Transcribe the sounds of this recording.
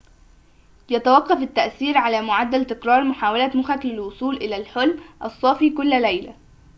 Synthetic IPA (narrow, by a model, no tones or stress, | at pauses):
jæt̪æwɑqːɑfɪt̪ːæʔθiːɾʕalæːmʊʕad̪ːælt̪ɪkɾɑːɾˤmʊħaːwalæmʊxæklælwosˤuːlʔɪlæːlħʊlmʔɑsˤːɑfiːkʊlːlæjlæ